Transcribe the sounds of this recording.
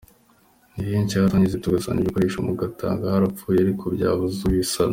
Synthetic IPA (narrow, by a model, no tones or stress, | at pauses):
niiɲcahataɲizetuɡasa̰ːɲɟiikoɾeːʃomuɡata̰ːŋɡahaɾapp͡fuːjeaɾikʰobɟa̰ːβuzuwisan